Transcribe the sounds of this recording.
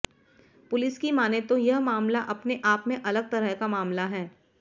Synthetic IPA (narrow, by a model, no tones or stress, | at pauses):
pʊlɪskimaːnet̪ojɐɦmaːmlaʔɐpneʔaːpmẽʔɐləɡ̚t̪ɐɾəɦkamaːmlaɦɛː